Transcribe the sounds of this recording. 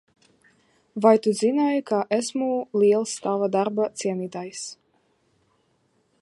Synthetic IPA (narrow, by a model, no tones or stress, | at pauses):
vajt̪uzinajkaʔesmuliɛlˠst̪avad̪aɾbat̪siɛniːt̪ajs